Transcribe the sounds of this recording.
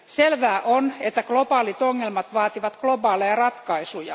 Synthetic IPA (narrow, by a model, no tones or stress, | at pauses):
selʋæːʔonet̪ːæklobɑːlit̪oŋːelmɑt̪ʋɑːt̪iʋɑt̪klo̞bɑːlejɑrɑt̪kɑisujɑ